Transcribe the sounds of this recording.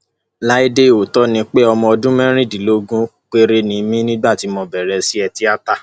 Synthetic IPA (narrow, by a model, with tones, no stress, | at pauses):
la˦i˦de˦˨o˨tɔ˦nĩ˧k͡pe˦ɔ˧mɔ̃˧ɔ˧dũ˦mɛ̃˦ɾ̃ĩ˦˨dĩ˨lo˦ɡũ˦k͡pe˦˧ɾe˧nĩ˨mĩ˦nĩ˦ba˦˨ti˨˧˦mɔ̃˧bɛ˨ɾɛ˧si˦ɛ˧ti˦a˦ta˦˨